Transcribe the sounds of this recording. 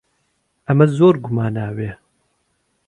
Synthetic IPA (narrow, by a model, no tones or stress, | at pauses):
ɐmɐzoːɾɡumaːnaːweː